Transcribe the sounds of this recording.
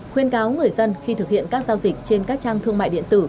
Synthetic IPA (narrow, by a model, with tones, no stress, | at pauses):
xwi˧ənkaː˨˦wŋɨ˨˩əjjzə˧nxi˧t̪ʰɨ˨˩k̚hḭ˧˨ənkaː˦˥k̚zaː˧wzi˨˩k̟̚t͡ɕe˧nkaː˦˥k̚t͡ɕaː˧ŋt̪ʰɨ˧əŋma̰ː˧˨jɗḭ˧˨ət̪ɨ˧˩